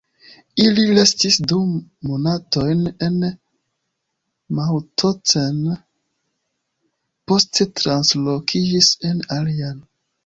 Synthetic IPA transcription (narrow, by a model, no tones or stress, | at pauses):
ililestisdumonato̞jne̞n | mawtʰoten | po̞stetɾanslokʰid͡ʒisenalian